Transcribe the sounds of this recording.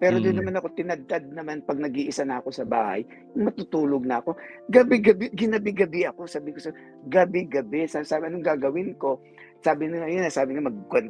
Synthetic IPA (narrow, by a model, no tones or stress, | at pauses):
pɛːɾod̪ʊnːɐmanɐko̞t̪ɪnɐd̪̚t̪ad̪̚nɐmanpɐɡ̚nɐɡʔiːʔɪsanɐɐko̞sɐba̰ːha̰j | ŋmɐt̪ut̪uːloɡ̚nɐɐko̞ɡɐbɪɡɐbɪɡɪnɐbɪɡɐbɪʔɐko̞sabiːkosɐ | ɡɐbɪɡɐbɛsasaːbɐnoŋɡaːɡɐwɪnko̞ | saːbɪnŋɐjonɐsaːbɪŋamɐɡ̚kwɛn